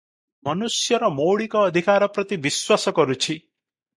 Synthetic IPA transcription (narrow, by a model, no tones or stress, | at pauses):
mɔnusjɔɾɔmowɽikɔːd̪ʱikaɾɔpɾɔt̪ibiswasɔkɔɾut͡ʃʰi